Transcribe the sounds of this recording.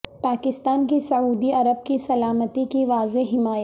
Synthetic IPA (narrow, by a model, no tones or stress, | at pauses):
paːkɪst̪aːnkisɐuːd̪iɐɾəb̚kisɐlaːmət̪ikiʋaːzeɦɪmaːj